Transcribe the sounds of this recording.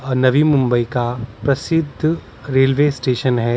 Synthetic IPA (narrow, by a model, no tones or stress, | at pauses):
ɔnɐʋimʊ̃mbəikapɾɐsɪd̪ʱː | ɾeːlʋeːsʈeːʃənɦɛː